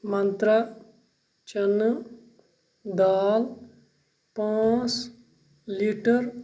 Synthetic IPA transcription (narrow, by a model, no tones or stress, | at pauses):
mɐ̃nt̪ɾa | t͡ʃɐn | d̪aːl | pãːs | liːʈəɾ